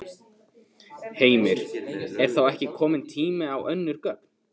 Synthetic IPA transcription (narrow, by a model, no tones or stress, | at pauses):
heːjmɪɾ̥ɛɾ̥θawɛhcɪkʰɔːmɪnt̪ʰiːmɪawʔœnːʏɾkœpn̥